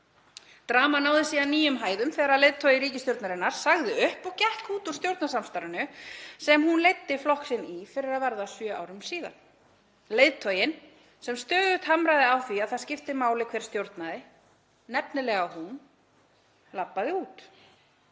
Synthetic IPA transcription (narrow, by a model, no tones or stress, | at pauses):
t̪ɾaːmanaːwðɪsiːðaniːjʏmɦaːjðʏmθɛːɣaɾaðlejðt̪ʰœjɪɾiːcɪst̪jowɾt̪naɾɪnːaɾ̥saɣðɪʏhpɔcɛhkuːt̪u̥st̪jowɾt̪nasamst̪aɾʏnʏsɛmhunlejt̪ːɪflɔhksɪnifɪɾɪɾaðvaɾðasjœːʔa̰wɾʏmsiːða̰n | lejðt̪ʰœːjɪn | sɛmst̪œːðʏht̪hamɾajðɪawθiaðθaðscɪft̪ɪmaːwlɪkʰvɛːɾ̥st̪jowɾt̪naðɪ | nɛpnɪlɛɣawhun | lapːaðɪuːt̪